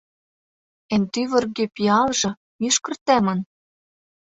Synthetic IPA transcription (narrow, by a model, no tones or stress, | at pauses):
ent̪yβɤ̆rɡepiɑlʒɤ̆ | miʃkɤ̆rt̪æmɤ̆n